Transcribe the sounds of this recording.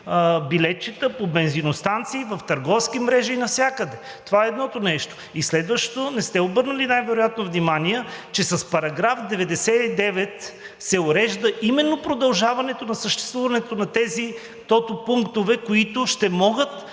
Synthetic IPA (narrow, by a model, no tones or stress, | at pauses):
bilɛt̪̚t͡ʃit̪əpobɛnzinost̪ant̪siːvɐft̪ɐɾɡɔfskimɾɛʒiːnɐfsʲjakəd̪ɛ | t̪ovaɛːd̪nɔt̪onɛʃt̪o̥ | islɛd̪vəʃtt̪onɛst̪ɛobɤɾnəlinajvɛɾojat̪novnimaniɛt͡ʃɛsɐspɐɾɐɡɾafd̪ɛvɛd̪ɛsɛid̪ɛvɛt̪ | sɛʊɾɛʒd̪əʔimɛnːopɾod̪ɐlˠʒavɐnɛt̪onɐsəʃt̪ɛ̥st̪vuvɐnɛt̪onɐt̪ɛzi | t̪ɔt̪opuŋkt̪ovɛkoit̪ʊʃt̪ɛmɔɡət̪